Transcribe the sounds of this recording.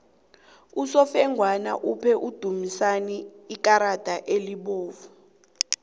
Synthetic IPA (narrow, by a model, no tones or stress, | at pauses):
usɔfɛŋʱwana̰ʔupʰɛʔud̥ʱumisaniːk̬ʼaɾad̥ʱaʔeliɓoːvu